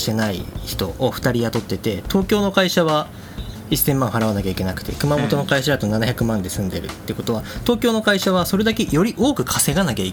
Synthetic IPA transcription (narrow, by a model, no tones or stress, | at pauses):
t̪e̞naḭçi̥t̪o̞ːɸɯ̟̥t̪aɾʲijat̪ot̪ːe̞t̪e̞t̪o̞ːkʲo̞ːno̞kaiɕaβ̞a | isẽ̞mːãɰ̃ɦaɾaβ̞anakʲaikʲe̞nakɯ̟̥t̪e̞̰kɯ̟mamo̞t̪o̞no̞kaiɕad̪at̪o̞nanaçʲakɯ̟mãnd̪e̞sɨ̃nd̪e̞ɾɯ̟t̪ːe̞ɯ̟ko̞t̪o̞β̞at̪o̞ːkʲo̞ːno̞kaiɕaβ̞aso̞ɾe̞d̪ake̞jo̞ɾʲiʔo̞ːkɯ̟kʰase̞ɡanak̬ʲai